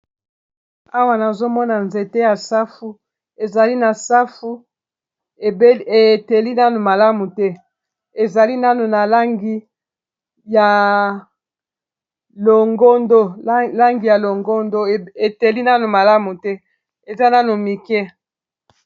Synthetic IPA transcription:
a˦wa˦na˨zo˦mɔ˦na˨nze˨te˦ja˨sa˦fu˦ | e˨za˨li˦na˨sa˦fu˦ | e˨˦e˨te˨li˦na˦no˨ma˨la˦mu˨tɛ˦ | e˨za˨li˦na˦no˨na˨la˦ŋɡi˦ | ja˨ | lo˨ŋɡo˦ndo˦la˦ŋɡi˨ja˨lo˨ŋɡo˦ndo˦˨e˨te˨li˦na˦no˨ma˨la˦mu˨tɛ˦ | e˨za˦na˦no˨mi˨kɛ˦

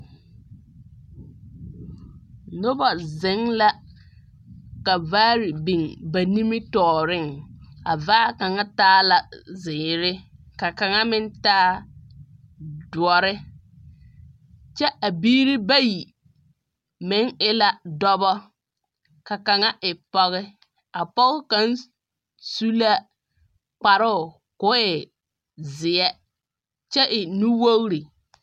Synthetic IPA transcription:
no˦bɔ˨zɪ˨˦ŋla˦ | ka˨vaː˦ɾɪ˨bi˨ŋba˨ni˦mɪ˦tɔː˨ɾɪ˦˨ŋa̰˨vaː˦ka˨ŋa˦taː˦la˨zɪː˨ɾɪ˦ | ka˨ka˨ŋa˦mɪ˦ntaː˦ | dʊ˨ɔ˨ɾɪ˦ | t͡ʃɛ˦ʔa˨biː˦ɾɪ˦ba˦ji˨ | mɪ˨˦ŋɪ˦la˦dɔ˦bɔ˦ | ka˨ka˨ŋa˦ʔɪ˨pɔ˦ɣɪ˦ | a˨pɔ˦ɣɪ˦ka˨˦n | su˦la˦ | k͡pa˨ɾʊ˦˨ | kʊ˨˦ɪ˨ | zɪ˨ɛ˦ | t͡ʃɛ˦ʔɪ˨nu˦wo˦ɣɾi˨

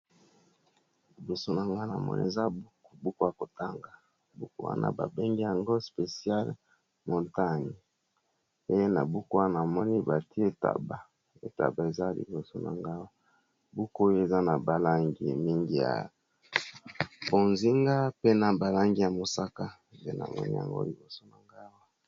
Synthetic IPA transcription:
li˨bo˨so˦na˨ŋɡa˦na˨mɔ̰˦nḭ˦˨ḛ˨za˦bu˦kbu˦ko˦ja˨ko˨ta˦ŋɡa˨ | bu˦ko˦wa̰˦na̰˦ba̰˨be˦ŋɡi˦ja˨ŋɡo˦spe˨si˦a˦l | mo˨nta˦ŋi˨ | e˦je˦na̰˨bu˦ko˦wa˦na˨mɔ˦ni˦ba˨ti˦e˦ta̰˨ba˨ | e˨ta̰˨ba˨e˨za˦lḭ˨bo˨so˦na̰˨ŋɡa˦wa˦ | bu˦ko˦o˦jo˦˨e˨za˦na˨ba˨la˦ŋɡḭ˨mi˦ŋɡi˨ja̰˨ | bo˨nzi˦ŋɡa˦pe˦na˨ba˨la˦ŋɡi˦ja˨mo˨sa˦ka˦˨ḛ˦na̰˨mɔ̰˦nḭ˦ja̰˨ŋɡo̰˦li˨bo˨so˦na˨ŋɡa˦wa˦

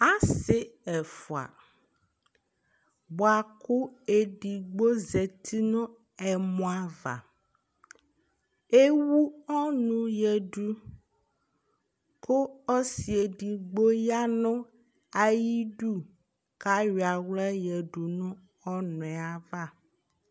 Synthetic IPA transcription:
a˦se˦ɛ˨fɔ˨a̰˨ | bo˨a˨ku˦e˨ɖi˨ɡ͡bo˦ze˨t̪ʰi˦nɔ̃˦ | ɛ˨mɔ̃˦a˦va̰˨ | e˦wu˦ɔ˦nũ˨jɛ˨ɖu˨ | ko˦ɔ˦si˨e˨ɖi˨ɡ͡bo˦ja˦nɔ̃˦ | a˨ji˦ɖu˦ | ka˦ɥi˨a˨wlɛ˦jɛ˨ɖu˨nũ˦ | ɔ˦nɔ̃˨ɛ˨a˨va˦˨

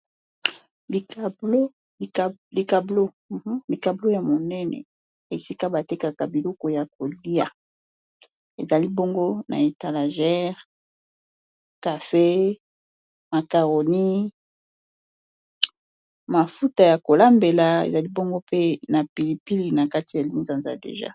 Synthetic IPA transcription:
bi˨ka˨blo˦˨ | li˨ka˨blo˦˨˦ | li˨ka˨blo˦ja˨mo˨nɛ˦nɛ̰˨ | e˨si˦ka˦ba˨te˦ka˨ka˨bi˨lo˦ko˨ja˨k̚o˨li˦a˨ | e˨za˨li˦bo˦ŋɡo˦na̰˨e˨ta˨la˨ʒɛ˦ʁ | ka˨fe˦ | ma˨ka˨ʁo˨ni˦ | ma˨fu˦ta˨ja˨ko˨la˦mbe˨la˨ḛ˨za˨li˦bɔ˦ŋɡo˦pe˦na˨pi˨li˨pi˦li˨na˨ka˦ti˨ja˨li˦nza˨nza̰˨dḛ˨ʒa̰˦

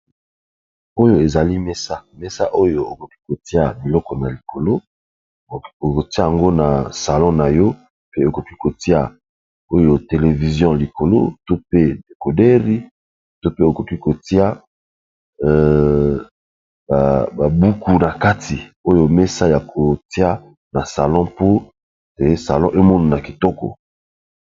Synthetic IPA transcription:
o˦jo˦e˨za˨li˦me˦sa˦me˦sa˦ʔo˦jo˦o˨ko˨ki̥˦ko˨ti˦a˨bi˨lɔ˦kɔ˨na˨li˨kʰo˨lo˦˨ | o˨ko˨ti˦a˦˨jã˨ŋɡo˦na˨sa˨lɔ̃˦na˨jɔ˦ | pe˦o˨ko˨ki˦ko˨ti˦a˨ | o˦jo˦˨te˨le˨vi˨zjɔ̃˦li˨ko˨lo̰˦to˦pe˦de˨ko˨dɛ˦ʁi˦ | to˦pe˦o˨ko˨ki˦ko˨ti˦a˦˨ | ba˨ba˨bu˦ku˨na˨ka˦tʰi˨o˦jo˦me˦sa˦ja˨kʰo˨ti˦a˦ | na˨sa˨lɔ̃˦po˦ | e˨˦sa̰˨lɔ̃˦ʔe˦mo˦no˨na˨ki˨tɔ˦kɔ̰˨

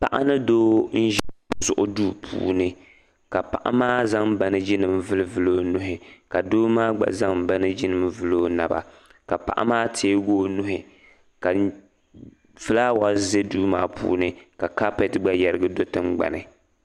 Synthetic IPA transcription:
pa̰˨ʔa˦nɨ˦doː˦n̩˦ʒɛ˦˨zʊ̰˦˨ʔʊ˦duː˦pʰṵː˨nɨ˦ | ka˨pa˨ʔa̰˦maː˦za˦ŋba˨nɨ˦d͡ʒi˦nɨ˨mvɨ˦lɨ˦vɨ˦loː˦nʊ˦ɦɪ˨ka˨doː˦maː˦ɡ͡ba̰˨za˦ŋba˦nɨ˦d͡ʒɪ˦nɨ˨mvɨ˦loː˦na˨ba̰˨ | ka˨pa̰˨ʔa̰˦maː˦tʰeː˦ɡoː˦nʊ˦ɦɪ˨ | ka˨ | vɨ˦laː˦wa˦ze˦duː˦maː˦pʰṵː˦nɨ˦ka˨ka˦pɛ˨tɡ͡ba˦ja˨ɾɨ˦ɡɨ˦do˦tɨ˦mɡ͡ba̰˨nɨ˨

